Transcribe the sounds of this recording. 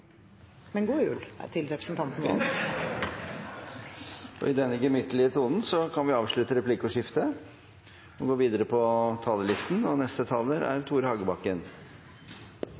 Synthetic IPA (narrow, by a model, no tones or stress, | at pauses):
mɛnɡuːjʉ̰ːlt̪ʰɪlɾɛpɾəsn̩t̪ʰɑnt̪n̩ɔ̰ | ɔ̰ɪd̪ɛnːəɡəmʏt̪ːəlɪət̪ʰuːd̪n̩sɔkʰɑnʋɪɑːʋʂɭʉt̪əɾɛpʰlɪkːʊʂɪft̪ə | ɔɡoːʋiːd̪əɾəpʰɔt̪ʰɑːləlɪst̪nɔnɛst̪ət̪ʰɑləɾæ̰ɾt̪ʰuːɾəhɑɡəbɑkːən